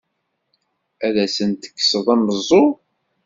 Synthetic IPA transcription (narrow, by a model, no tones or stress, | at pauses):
æðæsənt̪ə̥kːsəðˤənːəzˤːo